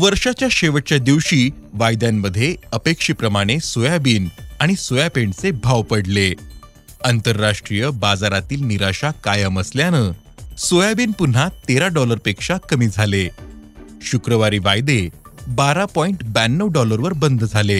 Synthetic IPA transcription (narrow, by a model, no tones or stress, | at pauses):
ʋəɾʂat͡ɕjaɕeʋəʈ̚t͡ɕjad̪iʋɕiː | ʋajd̪jamːəd̪ʱːjeəpekʂiːpɾəmaɽ̃esojabiːnaɽ̃isojapeɳɖt͡sebʱaʋpəɽle | ənt̪əɾːaʂʈɾijəbad͡zaɾat̪iːlniɾaɕakajəməsljanə | sojabiːnpun̤at̪eɾaɖɔləɾpekʂakəmiːd͡zʱale | ɕukɾəʋaɾiːʋajd̪ebaɾapɔiɳʈbænːəʋɖɔləɾʋəɾbənd̪ʱd͡zʱale